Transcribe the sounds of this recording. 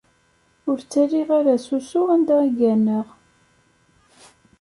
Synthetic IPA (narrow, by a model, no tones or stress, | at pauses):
ʊɾt͡sːærːiʁaɾæsusʊænd̪æiɡænəʁ